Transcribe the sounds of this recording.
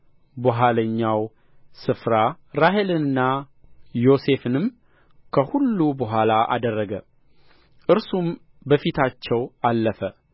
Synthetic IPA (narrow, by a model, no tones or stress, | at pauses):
boɦaləɲːaw | sɨfɾa | ɾaɦe̞lɨnːa | jo̞se̞fɨnɨm | kʰəhulːubəɦʷalaʔa̰d̪ərːəɡə | ʔɨɾsum | bəfit̪ʰat͡ʃːɛwalːəfə